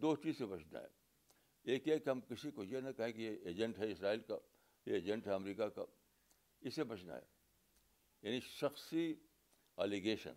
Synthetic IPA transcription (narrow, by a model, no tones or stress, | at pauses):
d̪oːʈɾisebɐt͡ʃʰna̰ɦɛ̰ | eːkekeɦɐmkɪsikojenɐkɐɦẽkijeeːd͡ʒə̃ɳʈɦɛɪsɾaːiːlka | jeeːd͡ʒə̃ɳʈɦɛɐmɾiːkaka̰ | ɪsebɐt͡ʃʰna̰ɦḛ | jaːniʃɐxsi | ɛːliɡeːʃə̰n